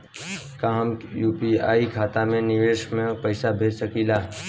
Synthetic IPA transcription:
kaɦmjuːpiaːikʰaːt̪amẽnɪʋeːʃmẽpəɪsabʱeːsəkilaː

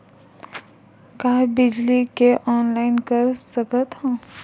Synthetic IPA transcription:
kaːbɪd͡ʒlikeʔɔːnlaːɪnkəɾsəkət̪ɦõː

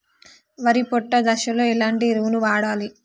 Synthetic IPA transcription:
ʋɐɾipɔʈːɐd̪ɐʃɐloːilaːɳʈiɾuːnuʋaːɽaːli

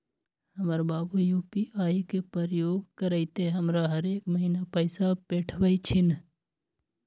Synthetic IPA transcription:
həməɾbaːbujuːpiʔaːikepəɾjoːɡkəɾəɪt̪eɦəmɾaɦəɾeːkməɦiːnapəɪsapeːʈʰʋəit͡ʃʰɪn

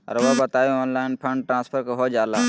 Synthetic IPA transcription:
ɔ̰ɾʋabət̪aːjoɔːnlaːɪnpʰə̃ɳɖʈɾãːspʰəɾkoɦod͡ʒjaːlaː

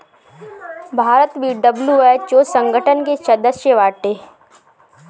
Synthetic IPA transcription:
bʱaːɾət̪bʱiɖəbljuɛt͡ʃoːsə̃ŋɡəʈənket͡ʃɐd̪əsjəʋaːʈeː

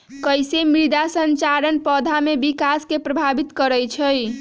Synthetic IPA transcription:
kəjsemɾid̪asənt͡ʃaɾənpəd̪ʱamebikaskepɾəbʱabit̪kəɾəjt͡ʃʰəj

